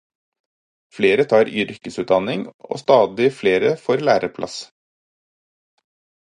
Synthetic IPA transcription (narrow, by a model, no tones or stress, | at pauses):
fleːɾət̪ʰɑːɾʏɾkəsʉːt̪̚d̪ɑnɪŋʔo̰ːst̪ɑːd̪ɪfleːɾəfoːɾlæːɾəpʰlʔɑ̰s